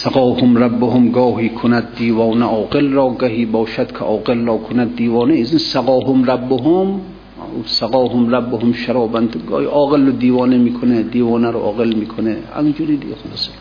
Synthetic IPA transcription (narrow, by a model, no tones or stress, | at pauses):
saɡɒːhomɾabːoɦomɡɒːhiːkʰonæd̪̚ːiːvɒːnæʔɒːɡelrɒːɡæɦiːbɒːʃæd̪kʰḛʔɒːɡelːɒːkʰonæd̪ːiːvɒːneizinsaɡɒːɦomrabːoɦom | saɡɒːɦomɾæbːohomʃaɾɒːbænd̪ɡ̰ːiʔɒːɣelːod̪iːvɒːnemiːkʰoned̪iːvɒːnæɾoʔɒːɣelmiːkʰoneæ̰ŋd͡ʒuɾid̪ɪɡʲexolɔːse̥